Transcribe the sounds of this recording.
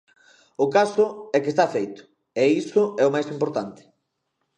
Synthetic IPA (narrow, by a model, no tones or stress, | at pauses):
ʊkasʊɛkest̪afejt̪ʊ̥ | ɛisʊɛʊmajsimpoɾt̪ant̪ɪ̥